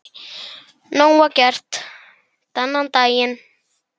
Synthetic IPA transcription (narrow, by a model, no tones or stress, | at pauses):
nɔŋwakʲart̪ | t̪anaŋt̪ajən